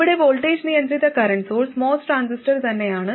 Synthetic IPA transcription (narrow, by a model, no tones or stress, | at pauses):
iɽeʋoːlʈeːd͡ʒnijɐnd̪rit̪ːɐkɐɾɐɳʈsoːlsmoːsʈɾaːnsisʈɐɾt̪ɐnːejaːɳɨ